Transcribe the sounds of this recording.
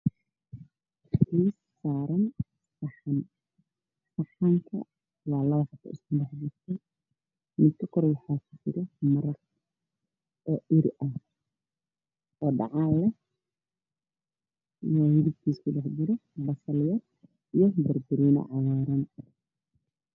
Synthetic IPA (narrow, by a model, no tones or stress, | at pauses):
kiːsːaːɾɐn | sɑħɐn | sɐħaŋkʰɐ̰ | wɑːlɐβɐħɑt̪ʰːɐ̰ɪskʰʊɖɛħd͡ʒɪrt̪ʰɛ | mɪd̪kʰɐkʰɔɾɛwɑħaːkʰʊd͡ʒɪɾɛmɐɾɐk | ɔːʔɪɾʔɐh | ʔɔːɖɑ̰ʕaːlɛ | ajɪɾɪb̚k̪ʰiːskʰʊɖɛħd͡ʒɪɾɛbɐsɐlɪjɐd̪ | ijɔbɐrbɪɾinɐ̰ʕɑβaːɾɐn